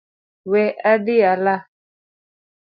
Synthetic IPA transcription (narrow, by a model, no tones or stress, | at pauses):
wɛʔadiala